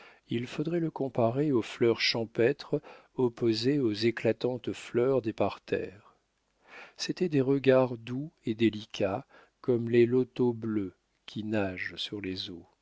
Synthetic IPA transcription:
ilfod̪ʁɛləkɔ̃paʁeoflœʁʃɑ̃pɛt̪χ | ɔpozeozeklat̪ɑ̃t̪flœʁd̪epaʁt̪ɛ̰ːʁ | set̪ɛd̪eʁəɡaʁd̪ued̪elikʰa | kɔmlelɔt̪oblø | kʲʰinaʒsyʁlezo

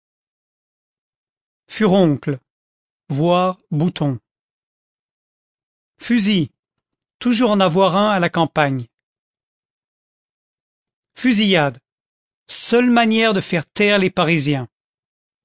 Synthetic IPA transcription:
fyʁɔ̃kl | vwaʁbut̪ɔ̃ | fyzi | t̪uʒuʁɑ̃navwaʁɛ̃alakɑ̃paɲ | fyzijad̪ | sœlmanjɛʁd̪əfɛʁt̪ɛʁlepaʁizjɛ̃

